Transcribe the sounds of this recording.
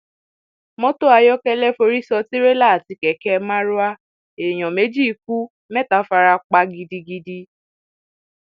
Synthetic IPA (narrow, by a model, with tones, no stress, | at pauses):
mɔ̃˦to˦a˧jɔ˦kɛ˦lɛ˦fo˧ɾi˦sɔ˧ti˦ɾe˦la˦˨ti˧kɛ˨˦kɛ˧mã˦ɾu˦a˦ | e˨j̃ɔ̃˨me˨˦d͡ʒi˦˨˦k̚u˦ | mɛ˦ta˨˦fa˧ɾa˧k͡pa˧ɡi˧di˧ɡi˧di˧